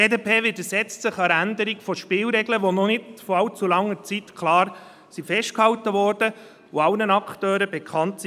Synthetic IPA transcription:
eːdepʰeːʋɪdəsɛt͡stsɪχɑɾænd̪əɾiɡfɔʃpɪːlɾɛɡləʋɔnɔnɪdfɔɑwt͡sulɑŋːəɾt͡sit̪kʰlɑːɾ | sifɛʃt̚khɑwtəʋɔːrd̥ə | oɑlnənɑkχtøːɾəbɛkʰɑntsi

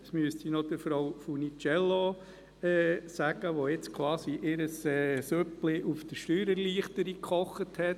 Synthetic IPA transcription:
smyəstinɔd̥̪əɾfɾɔwfunit͡ʃɛlːo | ɛsæɡ̥əʋoɪt͡skʰwɑːsiʔɪɾəsɛːsøplɪʔufd̥əʃtyːɾəɾliəχtəɾikχɔχːəthɛt

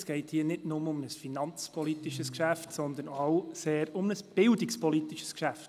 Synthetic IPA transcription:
sɡ̥ɛɪthiːənɪdnʊməʊmnəsfinɑnt͡spʰɔlit̪iʃəskʃæftsɔnd̪ənaʊseːɾʊmnəsb̥ɪldikspɔlit̪iʃə̥skʃæft

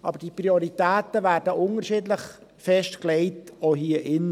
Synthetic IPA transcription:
ʔɑbəɾd̥ipɾioɾitæːtəʋæːɾdəʔʊnəɾʃiːdləχ | fɛʃtklɛɪtoɦiːəʔɪn

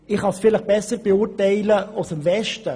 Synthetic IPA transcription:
ɪχhɑsfɪləχb̥ɛsəɾb̥eʊɾtɛɪləɑlsɪmvɛʃtə

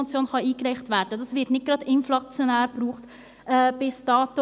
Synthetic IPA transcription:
ɑt͡sjoːnχɑiːkɾæɪχtʋæːɾdədɑsʋɪtnɪt̚ɡ̥ɾɑdɪnflɑt͡sjonæːɾb̥ruːχt | ʔɛb̥ɪsd̥ɑːtə

